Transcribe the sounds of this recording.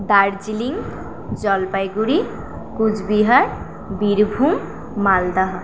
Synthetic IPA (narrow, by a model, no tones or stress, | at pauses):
d̪aɾd͡ʒiliŋ | d͡ʒʌlpajɡuɾi | kud͡ʒbiɦʌɾ | biɾbʱumː | ald̪ʌɦ